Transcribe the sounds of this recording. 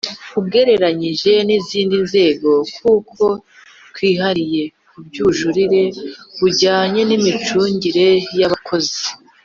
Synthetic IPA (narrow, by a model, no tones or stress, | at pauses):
kubɡe̞ɾe̞ɾaɲiʒe̞niziːndinze̞ːɡo̞kuːkʰo̞ | twiːɦaɾije̞kubɟuʒuɾiɾe̞βuɟaːɲe̞nimit͡ʃuːɲɟiɾe̞jaβakʰo̞zi̥